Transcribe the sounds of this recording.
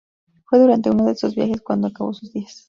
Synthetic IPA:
fweðuɾant̪eunoðesuzbjaxeskwand̪oakaβo̰suzd̪ias

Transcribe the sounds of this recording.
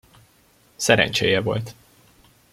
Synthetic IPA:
sɛɾɛ̰nt͡ʃeːjɛvo̞̰lt̪

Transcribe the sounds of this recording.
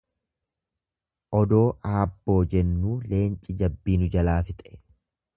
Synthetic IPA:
ʔɔd̪o̞ːʔaːbːo̞ːd͡ʒɛnːuːle̞ːnt͡ʃʼɪd͡ʒɐbːiːnʊd͡ʒɐlaːfɪt̪ʼɛ

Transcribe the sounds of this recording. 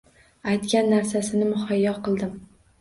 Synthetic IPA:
ajt̪kʲanːaɾsasɪnɪmʊhɒjːɒqʰɨlˠd̪ɪm

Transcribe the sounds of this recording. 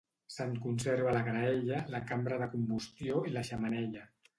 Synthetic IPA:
sankunsɛɾβ̞ələɣɾaɛʎəlakambɾəðəkumbust̪joiləʃəmənɛʎə

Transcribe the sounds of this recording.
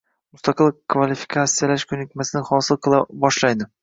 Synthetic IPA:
mʊst̪ʰɑqʰɨlˠkʰvalifi̥kʰat̪sijalaʃkʰɵnɪkʲmasɪnɪhɒsɨlˠqʰɨlˠabɒʃlajd̪ɪ

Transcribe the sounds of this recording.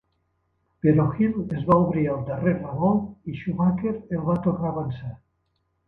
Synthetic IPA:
peɾɔxilezβauβɾialˠd̪areɾraβɔliʃuβakeɾelˠβat̪okaːβansa

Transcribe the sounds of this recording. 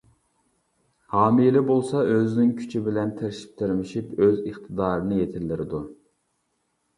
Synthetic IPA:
hɑːmilɪbolˠsɑʔøznɪŋkʲʰy̥t͡ʃʰibɪlɛnt̪ʰeɾɪʃi̥p̚t̪ʰeɾmɪʃipøzəχt̪ʰɨd̪ɑːɾɨnɨjet̪ʰɪlːɪɾɪd̪u

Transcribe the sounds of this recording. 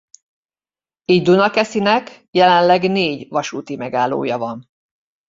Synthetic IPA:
iːɟd̪unɒkɛsinɛk | jɛlɛnlɛɡneːɟvɒʃuːt̪imɛɡaːlːo̰ːjɒvɒn

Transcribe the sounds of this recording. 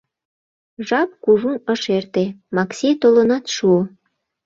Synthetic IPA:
ʒɑp̚kuʒunəʃert̪emɑksʲet̪olənɑt̪ʃuo

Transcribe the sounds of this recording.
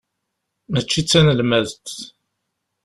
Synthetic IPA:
mət͡ʃːit͡sːænəlmæðt̪ː

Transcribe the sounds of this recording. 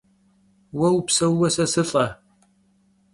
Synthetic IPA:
wɐwpsɐwːɐsɐsɨɬʼɐ

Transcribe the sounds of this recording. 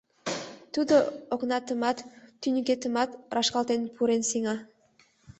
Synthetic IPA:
t̪ud̪ooknɑt̪ə̆mɑt̪ːynʲykʲet̪ə̆mɑt̪rɑʃkɑlˠt̪enpʰuɾensiŋɑ

